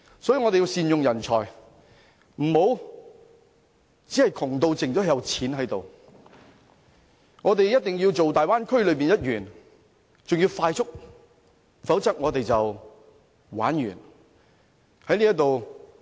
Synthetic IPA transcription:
sɔ˨˥jiː˧ŋɔ˧te˨jiː˧wsiː˨njʊ˨ŋjɐ˨˩nt͡sʰɔː˨˩j | m̩˨˩ho˨˥w | t͡si˨˥hɐ˨jkʰʊ˨˩ŋt̪o˧wt͡sɪ˨ŋt͡sɔː˨˥˨jɐ˨˧wt͡sʰiː˨˥nɦɐ˨˥jt̪o̰˨w | ŋɔː˨˧t̪̬e˨jjɐ˥t̚t̪ɪ˨ŋjiː˧wt͡so˨wt̪aː˨jwaː˥nkʰɵ˥ɥlɵ˨˧ɥp̬iː˨njɐ˥t̚jyː˨˩n | t͡sʊ˨ŋji˧wfaː˧jt͡sʊ˥k̚ | fɐ˨˥wt͡sɐ˥k̚ŋɔː˨˧t̪e˨jt͡sɐ˨w | wa̰ː˨˥njy̰ː˨˩n | hɐ˨˥jliː˥jɐ˥t̪o˨w

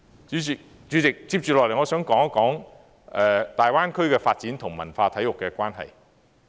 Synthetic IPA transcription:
t͡syː˨˥y˨˩ | t͡ʃyː˨˧˥t͡sɪ˨k̚t͡siː˧˥p̚t͡ʃyː˨lɔː˨klŋɔː˨˧sœː˨˥ŋkɔː˨˥ŋɐ˥kɔː˨˥ŋ | ʔɛː˨t̪aː˨jwaː˥nkʰɵ˥ɥkɛː˧faː˧t̚t͡siː˨˥nt̪ʰʊ˨˩ŋmɐ˨˩nfaː˧t̪ʰɐ˨˥jʊ˨kːɛː˧kʷaː˥nɦɐ̰˨j

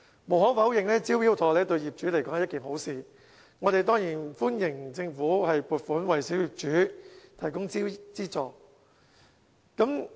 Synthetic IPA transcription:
mo˨˩wɦɔː˨˥fɐ˨˥wjɪ˨˩ŋlɛː˥t͡siː˥wjiː˥wt̪ʰɔː˨˩lɛː˥t̪ɵ˧ɥjiː˨p̚t͡ʃyː˨˥le˨˩kɔː˨˥hɐ˨˩˦ɐ˥kiː˨˩ŋho˨˥wsiː˨˧ | ŋɔː˨˧t̪e˨jt̪ɔː˥ŋjiː˨˩nfuː˥njɪ˨˩ŋt͡sɪ˧ŋfuː˨˥hɐ˨jpuː˨˩t̚fuː˨˥nwɐ˨jsiː˨˥wjiː˨p̚t͡ʃyː˨˥t̪ʰɐ˨˩jkʊ˥ŋt͡si˥t͡siː˥t͡sɔː˨˩ | kɐ˨˥m

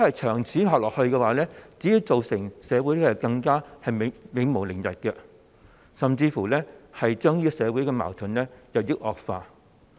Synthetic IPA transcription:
hɐ˨jt͡ʃʰœː˨˩ŋt͡sʰiː˨˥ɦɔː˨k̚lɔː˨k̚hɵ˧ɥkɛː˧waː˨˦lɛː˥t͡siː˨˥iː˨˧wt͡so˨wsɪ˨˩ŋsɛː˨˧wu˨˥jlhɐ˨kɐ˧ŋkaː˥hɐ˨jm˨mɪ˨˧ŋmo˨˩wlɪ˨˩ŋjɐ˨t̚kɛ˧ | sɐ˨mt͡siː˧fuː˨˩lɛ˥hɐ˨jt͡ʃœː˥ŋliː˥kɔ˨˧sɛː˨˧wuː˨˥jkɛː˧ma̰ː˨˩wt̪ʰɵ˨˥nlɛː˥jɐ˨wjɪ˥k̚ʔɔː˨k̚faː˧

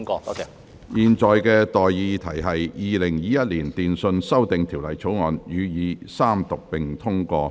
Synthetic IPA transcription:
kɔ˧˨ | jiː˨nt͡sɔː˨jkɛː˧t̪ɔː˨jːiː˨˧t̪ʰɐ˨˩jɦɐ˨jjiː˨˧lɪ˨˩ŋjiː˨˧jɐ˥t̚liː˨˩nt̪iː˨nsɵ˧nsɐ˥wt̪ɪ˨ŋt̪ʰiː˨˩wlɐ˨˩jt͡sʰo˨˥wŋɔː˨˧njyː˨˧jiː˨˧saː˥mt̪ʊ˨˩k̚pɪ˨ŋt̪ʰʊ˥ŋkɔː˧

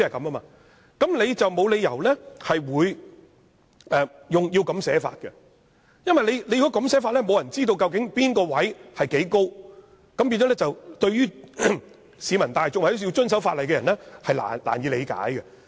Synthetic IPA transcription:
ɐ˨jkɐ˨˦mɐː˥maː˧ | kɐ˨˥mle˨˧jt͡sɐ˨wmo˨˧wle˨˧jɐ˨˩wlɛ˥hɐ˨jwuː˨˧j | ɛ˨˧jʊ˨ŋji˧wkɐ˨˥msɛː˨˥fa̰ː˧t̚kɛ˧ | jɐ˥nwɐ˨jle˨˧jle˧ji˧ɡɔ˥kɐ˨˥msɛː˨˥faː˧t̚lɛ˥mo˨˧wjɐ˨˩nt͡siː˥t̪̬o˧wkɐ˧wkɪ˨˥ŋpiː˥nkɔː˧wɐ˨˥jhɐ˨˩jke˨˥jko˥w | kɐ˨˥mpiː˧nt͡ʃɔ˨˥lɛː˥t͡sɐ˨wt̪ɵ˧ɥyː˥ | siː˨˧mɐ˨˩nt̪aː˨jt͡sʊ˨k̚aː˨˩o˥si˧wt͡ʃɵ˥ns̬ɐ˨˥wfaː˧t̚lɐ˨jkɛ˧jɐ˨˩nɛ˥hɐ˨jla̰ː˨˩nla̰ː˨˩njiː˨˧le˨˧jka̰ː˨˥jkɛ˧

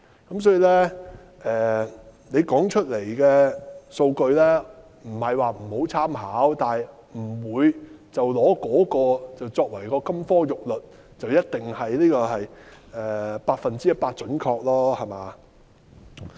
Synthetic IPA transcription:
kɐ˨˥ms̬ɔː˨˥ji˨˧lɛː˥ | ʔɛː˨ne˨˧jkɔː˨˥ŋt͡ʃʰɵ˥t̚le˨˩jkɛː˧so˧wkɵ˧ɥlɛː˥ | m̩˨˩hɐ˨jwaː˨m̩˨˩ho˨˥wt͡sʰaː˥mhaː˨˥wt̪aː˨j | m̩˨˩wuː˨˧jt͡sɐ˨wlɔː˨˥kɔː˨˥kɔː˧t͡sɐ˨wt͡sɔː˧k̚wɐ˨˩jkɔː˧kɐ˥mfɔː˥jʊ˨k̚lɵ˨t̚ | t͡sɐ˨wjɐ˥t̚t̪ɪ˨ŋhɐ˨jliː˥kɔː˧hɐ˨jʔɛː˨paː˧t̚fɐ˨nt͡siː˥jɐ˥t̚paː˧t̚t͡ʃɵ˨˥nkʰɔː˧k̚lɔː˥hɐ˨maː˨˧

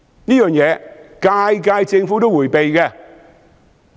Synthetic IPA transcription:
niː˥jœː˨ŋjɛː˨˧kaː˧jk̬aː˧jt͡sɪ˧ŋfuː˨˥t̪o˥wuː˨˩jpe˨jkɛː˧

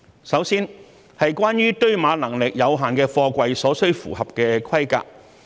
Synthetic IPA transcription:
sɐ˨˥wsiː˥n | hɐ˨jkʷwaː˥njyː˥t̪ɵ˥ɥmaː˨˧lɐ˨˩ŋlɪ˨k̚jɐ˨˧wɦaː˨nkɛː˧fɔː˧kʷɐ˧jsɔː˨˥sɵ˥ɥfṵː˨˩hɐ˨p̚kɛː˧kʷʰɐ˥jka̰ː˧k̚

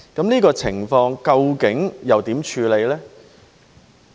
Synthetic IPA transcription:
kɐ˨˥mniː˥kɔː˧t͡sʰɪ̰˨˩ŋfɔː˧ŋkɐ˧wkɪ˨˥ŋjɐ˨wt̪iː˨˥mt͡ʃʰyː˨˧le˨˧jlɛː˥

